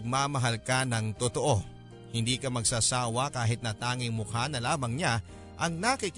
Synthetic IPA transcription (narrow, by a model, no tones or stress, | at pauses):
ɡ̚maːmɐɦalkɐnɐŋt̪ot̪o̞ʔo̞ | hɪnd̪iːkɐmɐɡ̚sasaːwɐkaːɦɪt̪̚nɐt̪aːŋɪŋmʊkanɐlaːbɐŋɲa | ʔɐŋnakik